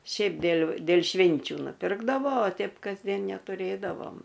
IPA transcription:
ˈʃʲɛɪp dʲeːlʲ dʲeːlʲ ˈʃʲʋʲɪnʲt͡ʃʲʊ nʊˈpʲɪrɡdɐʋoː oː ˈtʲɛɪp kɐzʲˈdʲiɛn nʲɛtʊˈrʲeːdɐʋoːm

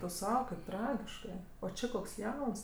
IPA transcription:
tʊ ˈsɐʊ kɐɪp ˈtrɑːɡʲɪʃkɜ oː ˈt͡ʃʲɪ koːks ˈjɛʊns

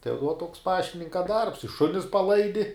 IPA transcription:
tɐɪ ʋuɔ toːks ˈpɑːʃʲtʲɪnʲɪŋkɐ dɐrps ɪ ˈʃʊnʲɪs pɐˈlˠɐɪdʲɪ

